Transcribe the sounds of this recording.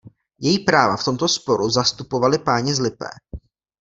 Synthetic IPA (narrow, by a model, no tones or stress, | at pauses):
jɛjiːpɾaːvaft̪o̞mt̪o̞spo̞ɾuzast̪upo̞valɪpaːɲɪzlɪpɛ̰ː